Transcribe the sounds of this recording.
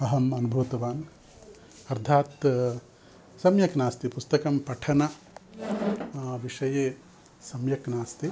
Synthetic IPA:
ɐɦɐmɐnubʱuːt̪ɐʋaːn | ɐɾd̪ʰʱaːt̪ | sɐmjɐknaːst̪ipust̪ɐkɐmpɐʈʰɐnɐ | ʋiʂɐjeː | sɐmjɐknaːst̪i

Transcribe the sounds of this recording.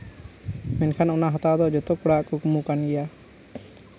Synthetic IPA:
mɛnkʰanɔnaɦat̪ad̪ɔd͡ʒɔt̪ɔkɔɽaʔkukmukanɡɛja

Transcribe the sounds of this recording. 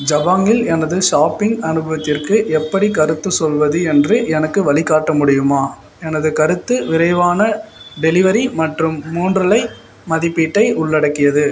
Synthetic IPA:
d͡ʒɐbaːŋɪlɛnɐðɯʂaːpːɪŋɡɐnɯbɐʋɐt̪ːɪrkɯʔɛpːɐɽikɐɾɯt̪ːɯsɔlʋɐðɯɛndrɯʔɛnɐkːɯʋɐɭɪkːaːʈːɐmʊɽɪjɯmaː | ɛnɐðɯkɐɾɯt̪ːɯʋɪɾɐɪʋaːnɐɖɛlɪʋɐɾimɐʈrɯmːuːndrɐlɐɪ | mɐðɪpːiːʈːɐɪʔʊɭːɐɽɐkːɪjɐðɯ

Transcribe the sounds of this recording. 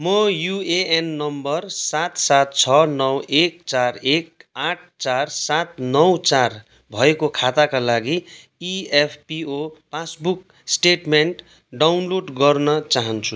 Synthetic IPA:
mʌjueenːʌmbʌrsat̪sat̪̚t͡sʰʌnʌwekt͡sarek̚aʈ̚ʰt͡sarsat̪̚nʌwt͡sar | bʱʌekokʰat̪akalaɡi | iepʰpiopasbuk | sʈeʈmeɳʈ | ɖawnloɖɡʌrnʌt͡saɦʌnt͡sʰu

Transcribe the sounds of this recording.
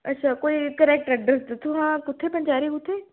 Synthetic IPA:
ɐtːʃʰakoːikɐɾɛk̚ʈɐɖɾəsd̪ɐt̪ʰoɦãkʊt̪ʰːepɐ̃nt͡ʃaːɾikʊt̪ʰːeː

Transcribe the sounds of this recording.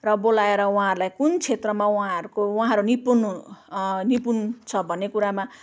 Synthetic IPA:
rʌbolaeɾʌwɦãʌɾulajkunt͡sʰet̪rʌmawuɦãʌɾukowuɦãʌɾunipunu | nipunt͡sʰʌbʱʌnːekuɾama

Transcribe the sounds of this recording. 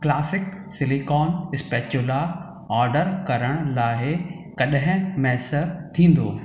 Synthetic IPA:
klaːsɪk | sɪlikɔːnɪspeːt͡ɕʊla | ɔːɾɖəɾkɐɾəɽ̃laːɪ | kɐɗɦɪ̃mɛːsəɾt̪ʰĩːn̆d̪oː

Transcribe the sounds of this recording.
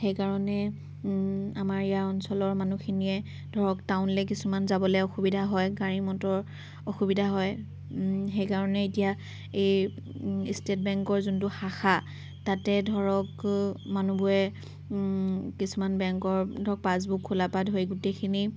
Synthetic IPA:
xejkaɹɔnɛ | amaɹijaɹɔnsɔlɔɹmanuxʰiniɛ | d̥ʱɔɹɔktaʊnlɛk̬isumanzabɔlɛɔxubidʱaɦɔjɡaɹimɔtɔɹ | oxubidʱaɦɔj | xejkaɹɔnɛetija | ej | istet̚bɛŋkɔɹzuntʊxaxa | tatɛdʱɔɹɔkmanubuɹɛ | kisumanbɛŋkɔɹdʱɔɹɔk̚paz̬bukʰːulapadɦojɡutekʰini

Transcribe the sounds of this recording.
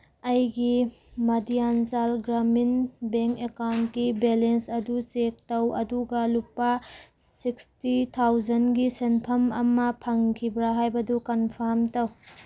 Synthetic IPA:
ɐjɡi | mɐdijanzalɡɾaminbeŋkekawntɡibelensɐdut͡ʃek̚tɐwʔɐ̰duɡɐlupːɐ | sikstitʰawzɐnɡisenpʰɐmɐmːɐpʰɐŋkʰibɾaɦajbɐdukɐnpʰaɾmtɐw

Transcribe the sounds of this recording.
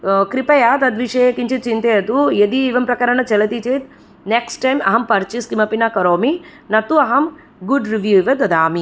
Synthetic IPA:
kɾipɐjaːt̪ɐd̪ʋiʂeːkiɲt͡ʃit̪t͡ʃint̪eːɐt̪ued̪iːʋɐmpɾɐkɐɾɐnɐt͡ʃɛlɐt̪it͡ʃeːt̪ | neksʈːɐjmɐɦɐmpɐɾt͡ʃiskimɐpinakɐɾoːminɐt̪ːuɐɦɐm | ɡuɖɾiʋjuʋɐd̪ɐd̪aːmi

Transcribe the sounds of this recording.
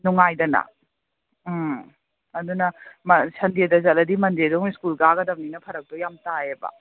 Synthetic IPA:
nuŋajdɐnɐ̰ | ɐdunɐmɐsɐndiedɐzɐlɐdimɐndedɔŋiskulɡaɡɐdɐm̚ninɐpʰɐɾɐk̚d̥ɔjamtaebɐ̰

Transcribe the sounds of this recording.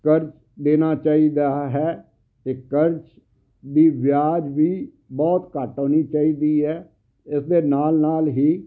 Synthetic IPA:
kəɾt͡ʃ | d̪eːnaːt͡ʃaːiːd̪aːɦɛː | t̪eːkəɾt͡ʃ | d̪iːʋjaːd͡ʒʋiː | bɔːt̪kəʈõːniːt͡ʃaːiːd̪iːɦɛː | ɪsd̪eːnaːlnaːlɦiː

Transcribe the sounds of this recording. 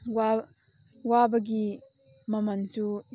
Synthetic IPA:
wa | wabɐɡi | mɐmɐnsu

